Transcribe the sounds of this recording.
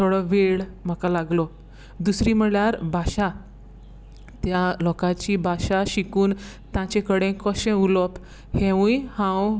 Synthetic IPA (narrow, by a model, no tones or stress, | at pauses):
t̪ʰoɽəʋeɭm̤əkalaɡlo | d̪usɾiːm̤əɭjaɾbʱaɕa | t̪jalɔkat͡ɕiːbʱaɕaɕikuːn | t̪jãt͡ɕẽkəɽẽkəɕẽulɔp | hẽʋũjhãw